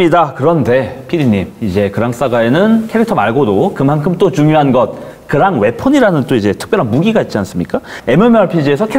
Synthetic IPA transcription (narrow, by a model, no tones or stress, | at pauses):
ɲidakɯɾʌnde̞pʰiɾiɲːimid͡ʑe̞kɯɾaŋs͈aɡae̞nɯnkʰeɾik̚tʰʌmaɭɡodokɯmankʰɯmt͈ot͡ɕuŋjoɦanɡʌt̚ | kɯɾaŋwe̞pʰoɲiɾanɯnt͈oid͡ʑe̞tʰɯ̥k̚p͈jʌɾɦanmuɡiɡait̚t͡ɕians͈ɯmɲik͈ae̞mʌmjʌaɭpʰid͡ʑiesʰʌkʰe